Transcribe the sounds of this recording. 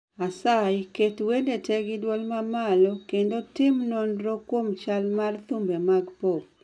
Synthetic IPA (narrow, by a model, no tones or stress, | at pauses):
asajketwedetʰɛɡɪdwɔlmamalɔkendotɪmnɔnɾɔkwomt͡ʃalmart̪umbemaɡpop̚